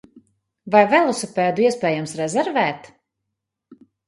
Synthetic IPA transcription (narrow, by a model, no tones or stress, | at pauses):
vajvɛlˠusupɛːd̪uiɛspɛːjamsɾɛzɛɾvɛːt̪